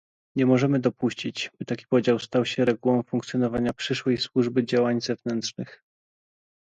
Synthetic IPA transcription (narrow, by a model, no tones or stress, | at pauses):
ɲɛmɔʐɛmɘd̪ɔpuɕt͡ɕit͡ɕbɘt̪akʲi̥pɔd͡ʑawst̪awɕɛɾɛɡuwɔ̃w̃fuŋkt̪sjɔnɔvaɲapʂɘʂwɛjswuʐbɘd͡ʑawaɲzɛvnɛntʂnɘx